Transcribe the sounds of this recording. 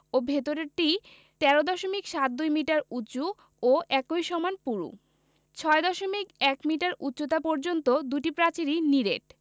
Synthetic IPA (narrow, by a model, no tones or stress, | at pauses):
obʱet̪oɾeɾʈi | t̪ɛɾod̪ɔʃomikʃat̪̚d̪ujmiʈaɾutːt͡ɕu | oʔɛkojʃɔmanpuɾṵ | t͡ɕʰɔed̪ɔʃomikɛkmiʈaɾutːot̪apɔɾd͡ʑont̪od̪uʈipɾat͡ɕiɾiniɾeʈ̚